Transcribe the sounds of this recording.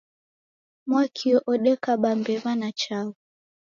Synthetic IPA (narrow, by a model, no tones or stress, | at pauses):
mwakʰiɔʔɔɗɛkaɓambɛβanat͡ʃau